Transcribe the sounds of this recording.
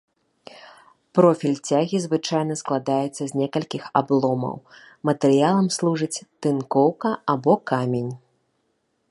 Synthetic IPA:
pɾɔfʲilʲt͡sʲaɣʲizvɨt͡ʂajn̪ɐsklˠad̪ajɛt̪sːɐzʲnʲɛkɐlʲkʲixa̰blˠɔmɐ̰w | mɐt̪ɛɾɨjalˠɐmslˠuʐɨt͡sʲt̪ɨnkɔwkɐabɔkamʲenʲ

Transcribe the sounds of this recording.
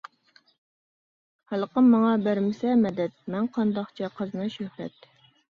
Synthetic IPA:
hælˠəqəmːɑŋɑbæɾmɪsɛmɛd̪ɛt̪̚mɛnqʰɑnd̪ɑχt͡ʃʰɛqʰəznɨʃøhɾɛ̰t̪

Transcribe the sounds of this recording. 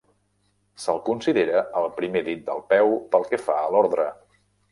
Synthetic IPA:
səlˠkunsiðeɾəəlˠpɾimeðit̪̚d̪əlˠpɛwpəlˠkɛfaəlɔɾðɾə

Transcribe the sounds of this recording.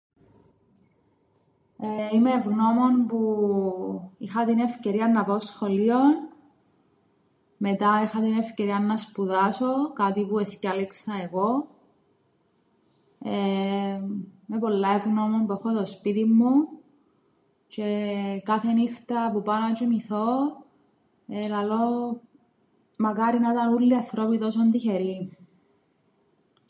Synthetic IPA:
eimeːvɣno̞mo̞npu | ixɐt̪ine̞fce̞ɾiɐnːɐpaosxo̞lio̞n | met̪ɐixɐt̪ine̞fce̞ɾiɐnːɐspuðɐso̞kɐt̪ipueθcɐleksɐe̞ɣo̞ | e | me̞po̞lːɐevɣnomompuexot̪ospit̪imːu | t͡ʃe̞kɐθenixt̪ɐpupɐnɐt͡ʃemiθo | elɐlo | mɐkɐɾinɐt̪ɐnulːiɐθɾopit̪os̬ond̪içeɾi

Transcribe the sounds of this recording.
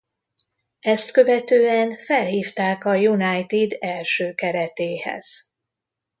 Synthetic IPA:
ɛst̪kø̞vɛt̪øːɛnfɛlhiːft̪aːkɒjunajt̪id̪ɛlʃøːkɛɾɛt̪eːhɛ̰z̥

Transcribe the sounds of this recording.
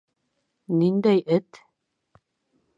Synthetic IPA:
nind̪æjʔɘt̪

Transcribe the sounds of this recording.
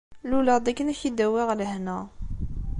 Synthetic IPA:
luləʁd̪ækːənæçid̪æwæʁləhnæ

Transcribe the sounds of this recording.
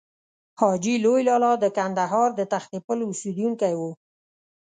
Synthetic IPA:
hɑd͡ʒilojlɑlɑd̪əkand̪aɦɑɾd̪ət̪axt̪ipəlʊsud̪juŋkajwu

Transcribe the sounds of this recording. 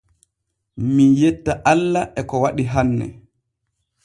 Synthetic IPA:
minjetːaʔalːaʔɛkɔwaɗiɦanːɛ̰

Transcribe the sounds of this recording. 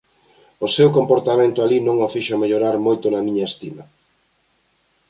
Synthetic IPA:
osewkompoɾt̪amẽnt̪ʊalinõŋofiʃomeʎoɾaɾmojt̪ʊnɐmĩɲɐest̪imɐ

